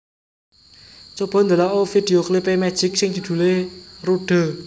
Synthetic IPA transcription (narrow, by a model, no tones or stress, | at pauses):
t͡ʃob̥ɔ̤nd̪əlaʔofid̪̥e̤oklipemɛd̥ʒ̥ɪk̚sɪŋd͡ʒ̪̥ṳd̪̥ṳleruɖ̥ə̤